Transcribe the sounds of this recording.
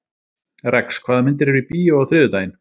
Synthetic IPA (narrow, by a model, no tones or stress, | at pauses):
ɾɛkskʰv̥aːðamɪnt̪ɪɾɛɾvipiːjaɔɣθɾɪːðʏt̪aːjɪn